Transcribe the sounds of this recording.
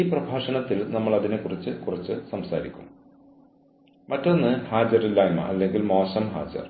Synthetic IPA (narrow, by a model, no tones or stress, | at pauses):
iːprɐbʱaːʂɐnɐt̪ːilnɐmːɐɭɐðinekːurit͡ɕːɨkurɐt͡ɕːɨsɐmsaːɾikʲːum | mɐtːo̞nːɨhaːd͡ʑɐrilːaːjmɐ̰ʔɐlːe̞ŋɡilmo̞ːɕɐmɦa̰ːd͡ʑɐ̰r